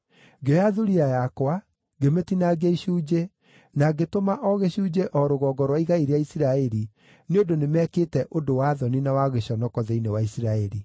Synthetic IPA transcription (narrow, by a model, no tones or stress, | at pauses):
ɡejaðuɾiajakwa | ɡemetinaɡeiɕuːd͡ʒe | naɡetomaʔɔɣeɕuːd͡ʑeʔɔɾoɣɔɡɔɾwaiɣaiɾeaisiɾaɛɾi | neondonemɛkeːtɛʔodowaðɔninawaɣeɕɔnɔkɔðeinewaisiɾaɛɾi